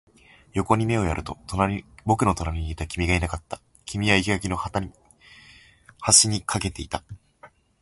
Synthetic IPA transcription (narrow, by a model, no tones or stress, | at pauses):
jo̞ko̞ɲ̟ime̞o̞jaɾʔɯ̟t̪o̞t̪oabo̞kɯ̟no̞t̪o̞naɾʲiɲ̟iːt̪akʲimʲiɡainakat̪ːḁ | kʲimʲiβaikʲiakʲino̞hat̪a | haɕiɲ̟ikʰake̞t̪e̞it̪a